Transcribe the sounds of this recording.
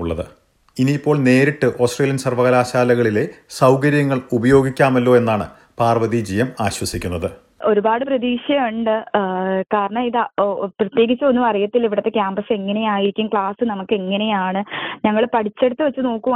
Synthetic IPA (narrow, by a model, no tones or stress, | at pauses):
uɭːɐðɨ̰ | iniːpːo̞ːɭne̞ːɾiʈːɨʔo̞ːsʈreːljɐnsɐrʋɐɣɐɾaːɕaːlɐɣɐɭile̞sɐwkɐɾjɐŋːɐɭubɐjo̞ːɡikʲːaːmɐlːo̞ːe̞nːaːɳɨ̰ | paːrʋɐðid͡ʑijɐmaːɕwɐsikʲːunːɐðɨ | o̞ɾubaːɽɨprɐðiːɕjɐmuɳɖɨkaːɾɐɳɐmiðaprɐt̪je̞ːɡit͡ɕːuonːumɐrijɐt̪ːiliʋiɽɐt̪ːe̞kʲjaːmbɐse̞ŋːɐne̞jaːjiɾikʲːumkɭaːsɨnɐmukːe̞ŋːɐne̞jaːɳɨɲɐŋːɐɭpɐʈʰit͡ɕːe̞ɽut̪ːɨʋet͡ɕːɨno̞ːkːuʋ